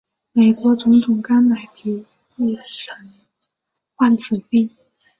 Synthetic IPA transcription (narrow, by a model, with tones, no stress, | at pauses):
me˨˩ɪkwɔ˧˥t͡sʊ˧˥ŋt̪ʰʊ˨˩ŋka˥nna˧˥ɪt̪ʰi˧˥ | i˥˩ʂə˧˥n | xwa˥˩nt͡sʰɹ̩˨˩pi˥˩ŋ